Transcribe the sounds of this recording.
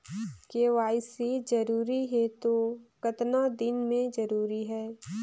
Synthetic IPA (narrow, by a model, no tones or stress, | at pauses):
keʋaːɪsid͡ʒɐɾuːɾiɦɛt̪okɐt̪nad̪ɪnmẽd͡ʒɐɾuːɾiɦɛː